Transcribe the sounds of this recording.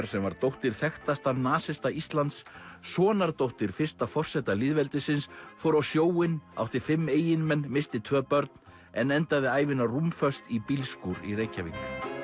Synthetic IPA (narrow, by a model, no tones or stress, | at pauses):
ɾ̥sɛmvaɾt̪owht̪ɪɾ̥θɛxt̪ast̪anaːsɪst̪aist̪lant̪ssɔːnaɾt̪owht̪ɪɾ̥fɪr̥st̪afɔr̥sɛt̪alɪðvɛlt̪ɪsɪnsfɔwɾawsjoːwɪna̰wht̪ɪɾ̥fɪmːeːjɪnmɛnːmɪst̪ɪt̪ʰvœːpœɾt̪̚n | ɛnɛnt̪aðɪaːjvɪnarumfœst̪ipilskuːɾḭreːjcavḭŋk